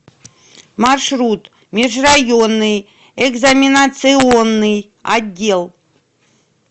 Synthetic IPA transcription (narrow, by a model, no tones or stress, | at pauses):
marʂrut̪ | mʲɪʐrajonːɨj | ɛɡzɐmʲinat̪sɨonːɨj | a̰dʲːelˠ